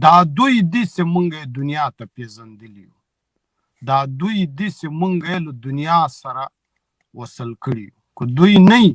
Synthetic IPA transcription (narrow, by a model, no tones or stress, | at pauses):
d̪aːd̪ujid̪isemuŋɡɐed̪unijaːt̪apeːzɐnd̪ilijṵ | d̪aːd̪ujd̪isemuŋɡɐeləd̪unijaːsɐɾa | wɐsəlkəɽiju | kəd̪ujnɐi